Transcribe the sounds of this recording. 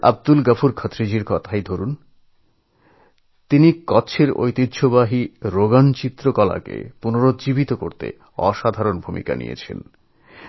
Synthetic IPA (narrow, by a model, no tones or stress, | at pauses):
a̰b̚d̪ulɡəfuɾkʰɔt̪ɾid͡ʑiɾkɔt̪ʰajd̪ʱoɾun | t̪inikɔt͡ɕʰeɾo̰jt̪id̪ɕʰobaɦiɾoɡant͡ɕit̪ːɾokɔla̰kḛpunoɾot̪d͡ʑibit̪okoɾt̪ḛ | ɔ̰ʃad̪ʱaɾonbʱumḭka̰nḭjḛt͡ɕʰḛn